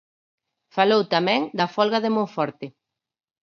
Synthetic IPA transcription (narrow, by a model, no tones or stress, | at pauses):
falowt̪amɛ̃ŋd̪ɐfɔlɣaðemõŋfɔɾt̪ɪ